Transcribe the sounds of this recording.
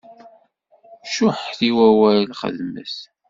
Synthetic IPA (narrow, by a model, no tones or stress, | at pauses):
ʃʊħθiwæwælχə̰ðmə̰s